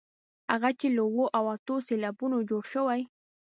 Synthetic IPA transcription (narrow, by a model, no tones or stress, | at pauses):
ha̰ɣat͡ʃelowoʔawat̪oselabʊnod͡ʒoɽʃəwaj